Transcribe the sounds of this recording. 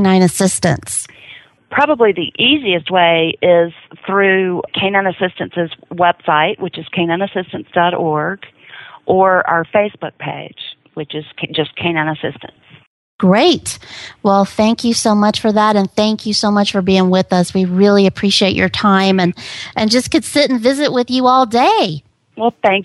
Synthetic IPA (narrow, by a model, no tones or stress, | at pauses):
nãɪ̃nɨsɪstɨ̰̃ns | pʰɹ̥ɑbəbliðiʔiziɨst̚weɪɪz̥θɹʉkʰẽɪ̃nãɪ̃nɨsɪstɨ̃nsɨzwɛb̥saɪʔ̚wɨt͡ʃɨz̥kʰẽɪ̃nãɪ̃nɨsɪstɨ̃n̩sd̥ɑɾɔɹɡ̥ | ʔə˞a̰ə˞feɪsb̥ʊk̚pʰḛɪd̥ʒ̥ | wɨt͡ʃɨz̥d͡ʒʌskʰẽɪ̃nɨ̃nəsɪ̰stɨ̰̃n̩s | ɡ̥ɹeɪtwɛlˠθæ̃ŋkʰjɨsoʊmʌt͡ʃfə˞ðæɾɨ̃nθæ̃ŋkʰjɨsoʊmʌt͡ʃfə˞biɪ̃ŋwɪðʌswiɹɪlˠiɨpʰɹ̥iʃieɪt͡ʃə̰˞tʰãɪ̃mɨ̃nʔɨ̃nd͡ʒʌskɨd̥sɪɾn̩vɪzɨʔ̚wɨðjɨɔlˠdeɪ | wɛlˠθæ̃ŋk